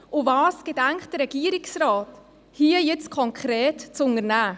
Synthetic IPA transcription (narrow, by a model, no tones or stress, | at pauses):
ʔʊvɑːsɡ̥edæŋkt̚d̥əɾɛɡ̥iːəɾɪksrɑːt | hiːəjɛt͡skʰɔŋkʰχɾɛːtt͡sʊŋəɾnæː